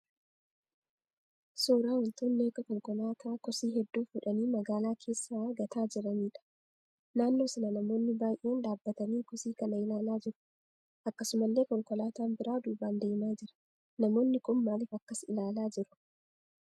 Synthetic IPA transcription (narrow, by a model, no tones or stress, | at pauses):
suːɾaːhʊnt̪uːnleːkɐkɔŋkɔlaːt̪ʰaːkɔsiːɦɛd̪ːuːfʊᶑɐniːmɐɡaːlaːkʰe̞ːsːaːɡɐt̪ʰaːd͡ʒɪɾɐniːᶑɐ̥ | naːnːo̞ːsɐnɐnɐmo̞ːnːɪbaːjʔeːnᶑaːbːɐt̪ɐniːkɔsiːkɐnɐɪlaːlaːd͡ʒɪɾʊ̥ | ʔɐkːɐsʊmɐlːe̞ːkɔŋkɔlaːt̪aːmbɪɾaːd̪uːbaːnd̪e̞ːmaːd͡ʒɪɾɐ̥ | nɐmo̞ːnːɪkʊnmaːlɪːfɐkːɐsɪlaːlaːd͡ʒɪɾʊ̥